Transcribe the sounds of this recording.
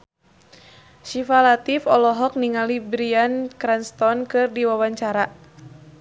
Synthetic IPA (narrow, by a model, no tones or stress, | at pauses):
ʃifalat̪ifɔlɔɦɔk̚niŋalibɾiankɾɛnst̪ɔnkɨrdiwawaɲt͡ʃaɾa